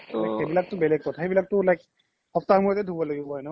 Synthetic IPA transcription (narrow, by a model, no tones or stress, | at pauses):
lajkebilak̚t̪ʊbɛlɛk̚ːkɔtʰaxejbilak̚t̪ʊlajk | ɔpt̪ahɔmuɹɔt̪ɛd̪ʱubɔloɡibɔɦɔjna